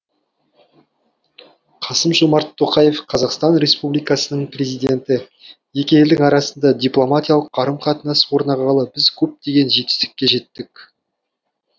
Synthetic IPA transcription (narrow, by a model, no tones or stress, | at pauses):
qʰɑsəmʒomɑɾt̪ʰːo̞qɑje̞fqʰɑzɑqst̪ɑnɾʲe̞spublijkɑsənəɴprʲe̞zijd̪ʲe̞nt̪ɪ | je̞kʲejld̪ɪŋɑɾɑsənd̪ɑd̪ʲijplˠo̞mat̪ʲijɑlˠəq̚ːɑɾəmqʰɑt̪ənɑswo̞ɾnɑʁɑlˠəbɪzkʲʰɵp̚t̪e̞ɡʲe̞nʒe̞t̪ɪ̥st̪ɪ̥kʲːe̞ʒe̞t̪ːɪk̚ʲ